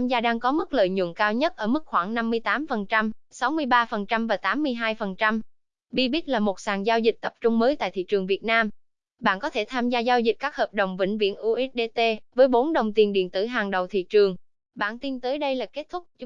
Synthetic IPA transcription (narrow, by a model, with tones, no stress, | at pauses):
a˧mzaː˧ɗaː˧ŋkɔ˨˦mɨ˦˥k̚lə̰ː˧˨jɲṵ˧˨nkaː˧wɲə˦˥t̚ʔəː˧˩mɨ˦˥k̚xwaː˧˩ŋna˧mːɨ˧əjt̪aː˨˦mfə˨˩nt͡ɕa˧msa˨˦wmɨ˧əjɓaː˧fə˨˩nt͡ɕa˧mvaː˨˩t̪aː˨˦mːɨ˧əjɦaː˧jfə˨˩nt͡ɕa˧m | ɓi˧ɓi˦˥t̚laː˨˩mo˨˩t̚saː˨˩ŋzaː˧wzï˨˩k̟̚t̪ə˨˩p̚t͡ɕʊ˧ŋ͡mməː˨˦jt̪a̰ː˧˨jt̪ʰḭ˧˨t͡ɕɨ˨˩ŋvi˨˩ət̚naː˧m | ɓa̰ː˧˨nkɔ˨˦t̪ʰe˧˩t̪ʰaː˧mzaː˧zaː˧wzï̟˨˩kaː˦˥k̚həː˨˩p̚ɗə˨˩wŋ͡mvḭ˧˩ŋ̟vḭ˧˨ənʔu˧ʔi˦˥t̚ɗe˧t̪e˧vəː˨˦jɓo˨˦nɗə˨˩wŋ͡mt̪i˨˩ənɗḭ˧˨ənt̪ɨ̰˧˩ɦaː˨˩ŋɗə˨˩wt̪ʰḭ˧˨t͡ɕɨ˨˩əŋ | ɓa̰ː˧˨nt̪i˧nt̪əː˨˦jɗə˧jlaː˨˩ke˦˥t̚t̪ʰʊ˦˥k͡p̚